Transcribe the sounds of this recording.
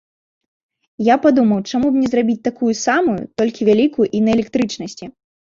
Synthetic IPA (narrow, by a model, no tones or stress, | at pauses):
japad̪umɐwt͡ʂamubnʲɛzrabʲit͡sʲt̪akujusamujṵt̪ɔlʲkʲivʲalʲikujuʔinɐɛlʲɛkt̪ɾɨt͡ʂnɐsʲt͡sʲi